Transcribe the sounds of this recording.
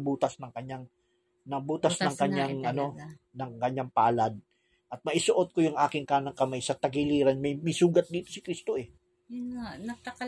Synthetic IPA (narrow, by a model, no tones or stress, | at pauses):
buːt̪ɐsnɐŋkɐɲaŋ | nɐbuːt̪ɐsnɐŋkɐɲːaŋɐno̞ | nɐŋkɐɲːaŋpaalad̪̚ | ʔɐt̪̚mɐʔɪsʊʔo̞t̪̚kojʊŋʔaːkɪŋkaːnɐŋkɐmajsɐt̪ɐɡɪliːɾɐnmɐjmɪsuːɡɐt̪̚d̪iːt̪o̞sɪ̥kɾist̪o̞ʔɛ | jʊŋanɐkɐk